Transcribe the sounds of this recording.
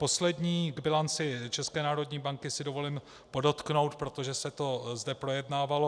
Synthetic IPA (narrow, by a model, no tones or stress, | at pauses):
po̞slɛdɲiːɡbɪlant͡sɪt͡ʃɛskɛːnaːɾo̞dɲiːbaŋkɪsɪdo̞vo̞lɪm | po̞do̞t̪kno̞wt̪pɾo̞t̪o̞ʒɛsɛt̪o̞zdɛpɾo̞jɛdnaːvalo̞